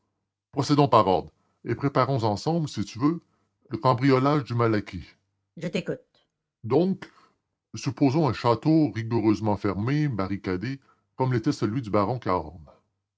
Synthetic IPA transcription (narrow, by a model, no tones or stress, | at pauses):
pʁɔsɛd̪ɔ̃paʁɔ̰ʁd̪ | epʁepaʁɔ̃zɑ̃sɑ̃blsit̪yvø | ləkɑ̃bʁijɔlaʒd̪ymalakʲi | ʒət̪ekut̪̚ | d̪ɔ̃k | sypoːzɔ̃ɛ̃ʃat̪oʁiɡuʁøːzmɑ̃fɛʁmebaʁikʲad̪e | kɔmlet̪ɛsəlɥid̪ybaʁɔ̃kaɔ̰ʁn